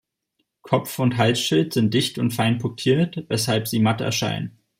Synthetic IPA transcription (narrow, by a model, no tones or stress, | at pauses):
kʰɔpfʊntɦalsʃɪltz̥ɪnt̚d̥ɪçtʊntfaɪnpʰʊtʰiːɐtvɛshalpz̥iːmatəɛ̰ɐʃa̰ɪnən